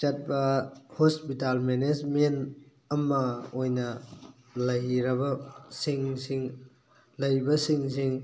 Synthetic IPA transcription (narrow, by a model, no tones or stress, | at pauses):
t͡ʃɐt̚bɐhospitalmened͡ʒment | ɐmɐojnɐ | lɐjɾɐbɐsiŋsiŋ | lɐjbɐsiŋsiŋ